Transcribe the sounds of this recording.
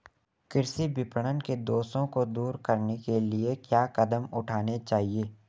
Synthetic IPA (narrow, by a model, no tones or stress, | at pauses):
kɪɾsibɪpɽ̃ənked̪oːsõkod̪uːɾkɐɾnekeliekjaːkɐd̪əmʊʈʰaːnet͡ʃaːɦieː